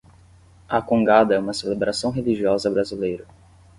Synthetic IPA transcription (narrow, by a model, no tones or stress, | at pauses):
ɐkõŋɡad̪ɐɛũmɐselebɾʔasɐ̃w̃ɦeliʒiɔzɐbɾazilejɾɐ